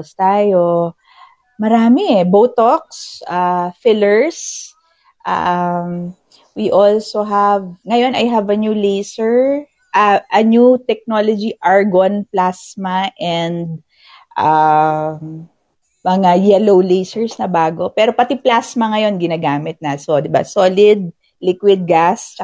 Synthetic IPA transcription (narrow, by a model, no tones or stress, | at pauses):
st̪aːjo | mɐɾaːmɛɛbowt̪ok̚sʔafɪlɛɹs | ʔa̰m | wiʔolsoɦɐvŋɐjo̞nɐjɦɐvɐnjulejsɛɹ | ʔɐʔɐnjut̪ɛk̚nolod͡ʒiʔaɹɡonplasmɐʔɛnd̪̚ | ʔa | mɐŋajɛlowlejsɛɹsnɐbaːɡo̞pɛɾo̞pɐt̪iplasmɐŋɐjo̞nɡɪnaːɡaːmɪt̪̚nɐsod̪ɪba̰soːlɪd̪̚ | lɪkwɪd̪̚ɡast͡ʃɐ